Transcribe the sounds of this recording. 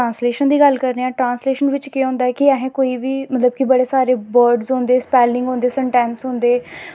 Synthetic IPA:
ãːnsleːʃənd̪iːɡəlkəɾneːɛ̃ːʈɾãːnsleːʃənʋɪt͡ʃkiːõːnd̪aːɛːkɪɛːɦẽːkoːiːʋiːmət̪ləb̚kibəɽeːsaːɾeːbəːɾɖzɦõːnd̪eːspɛːlɪ̃ŋɡɦõːnd̪eːsəɳʈɛ̃ːnsɦõːnd̪eː

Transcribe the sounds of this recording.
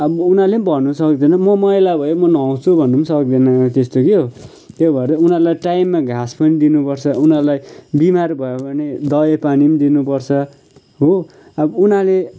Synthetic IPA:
ʌbunalembʱʌnːusʌkd̪enʌmʌmʌjlabʱʌjemʌnʌ̃wt͡sʰubʱʌnːumsʌkd̪enat̪est̪okiɦo | t̪jobʱʌeɾʌunalajʈajmːaɡʱaspʌnid̪inupʌrt͡sʰʌunalajbimarbʱʌjobʌned̪ʌjepanimd̪inupʌrt͡sʰʌ | ɦo | ʌbunale

